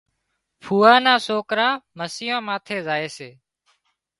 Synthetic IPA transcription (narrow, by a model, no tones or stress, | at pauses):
pʰuːaːnãːsoːkɾaːməsɪjõːmaːt̪ʰeːzaːeːseː